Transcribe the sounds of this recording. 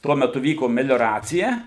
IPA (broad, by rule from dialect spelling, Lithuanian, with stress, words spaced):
ˈtuɔ mʲɛˈtʊ ˈʋʲiːkoː mʲɛlʲoːˈrɑːt͡sʲɪjɛ